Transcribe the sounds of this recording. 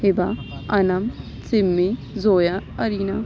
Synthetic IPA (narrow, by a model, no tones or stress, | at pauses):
hɪbaɐnɐm | t͡sɪmːi | zoːjaɐɾiːna